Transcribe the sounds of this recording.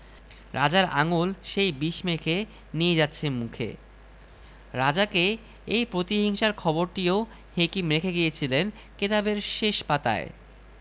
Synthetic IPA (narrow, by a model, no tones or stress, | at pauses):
ɾʔad͡ʑaɾaŋulʃejbiʃmekʰe | nied͡ʑatːɕʰemukʰḛ | ɾad͡ʑake | ejpɾot̪iɦiŋʃaɾkʰɔboɾʈio | hekimɾekʰeɡijet͡ɕʰilen | ket̪abeɾʃeʃpat̪a̰ḛ